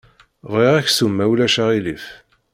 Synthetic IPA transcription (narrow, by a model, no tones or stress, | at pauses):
viʁæçsumːæwlæʃæʁilif